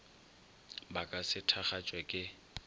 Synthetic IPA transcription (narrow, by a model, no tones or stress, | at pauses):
bakʼasɪtʰaχat͡ʃʼwɛkʼɪ